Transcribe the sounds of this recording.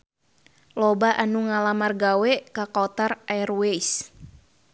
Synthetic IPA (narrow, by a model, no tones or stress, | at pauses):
lɔbaʔanuŋalamarɡawɛkakɔt̪ararweis